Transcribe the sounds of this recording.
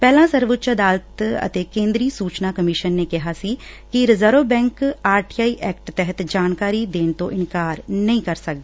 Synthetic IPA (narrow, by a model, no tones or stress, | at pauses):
pɛːlãːsəɾʋʊtːt͡ʃəd̪aːlət̪ə̰t̪eːkẽːnd̪ɾiːsuːt͡ʃnaːkəmɪʃənːeːkɪɦaːsiː | kiɾɪzəːɾoːbɛ̃ːŋkaːɾʈiːaːiːʔɛːkʈt̪ɛɦət̪d͡ʒaːnkaːɾiːd̪eːnt̪õ̰ːʔɪnkaːɾnəĩːkəɾsək̚d̪eː